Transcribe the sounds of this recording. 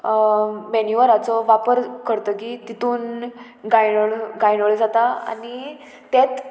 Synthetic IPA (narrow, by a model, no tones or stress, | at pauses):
mɛnjuʋəɾat͡sɔʋapəɾkʰəɾt̪əkiːt̪it̪uːn | ɡajəɭɡajɳəɭd͡zat̪aa̰niː | et̪